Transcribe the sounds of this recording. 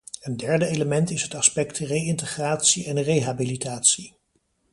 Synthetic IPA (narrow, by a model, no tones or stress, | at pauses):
əndɛɹdəejləmɛntɪsɦətɑspɛktrejɪntəχraːtsiɛnrejɦabilitaːtsi